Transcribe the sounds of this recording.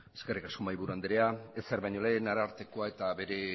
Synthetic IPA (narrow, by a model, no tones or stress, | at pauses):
eske̞rikaskomajβuɾuand̪eɾeaeseɾβajɲo̞le̞ːnaɾaːɾt̪e̞koae̞t̪aβe̞ɾe̞